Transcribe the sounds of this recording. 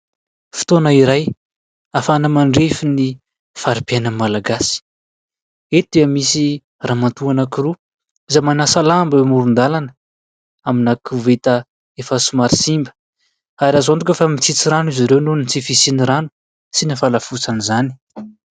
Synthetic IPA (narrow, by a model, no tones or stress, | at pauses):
fi̥t̪onaiɾaj | afanəmaɳɖ͡ʐefini | faɾipjanəmalaɡasi̥ | ed̪eamisi | raːmat̪uanakiru | izamanasalambawmuɾund̪alanə | aminakuvet̪ə | efəsumaɾisimbə̥ | aɾazond̪ukʲefəmit͡sit͡siɾanuizaɾewnunit͡sifisiniɾanu̥ | sinifalafut͡sanizani̥